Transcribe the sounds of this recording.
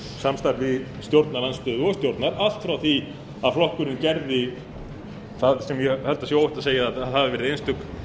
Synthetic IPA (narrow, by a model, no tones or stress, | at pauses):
samst̪aɾvɪ | st̪jowɾt̪naɾlanst̪ʏːðɔst̪jowɾt̪naɾal̥t̪fɾawθi | aðflɔhkʏɾɪncɛɾðɪ | θaðsɛmjɛhɛlt̪asjɛowhɪht̪aðseːjaaðɦavɪvɛɾɪðenst̪ʏk